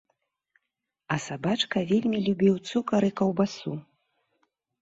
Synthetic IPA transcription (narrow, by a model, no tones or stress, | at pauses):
ɐsabat͡ʂkɐvʲelʲmʲilʲubʲiwt̪sukɐɾɨkɐwbasu